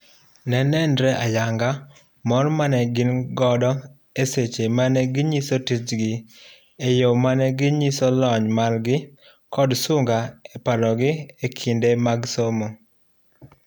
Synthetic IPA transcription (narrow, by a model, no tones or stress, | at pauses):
nɛnɛndɾɛʔajaŋɡa | mɔrmanɛɡɪnɡɔdɔ | eset͡ʃemanɛɡɪɲisotit͡ʃɡɪ | ejomanɛɡɪɲisɔlɔɲmalɡɪ | kɔdsʊŋɡaɛpalɔɡɪekʰindemaɡsomo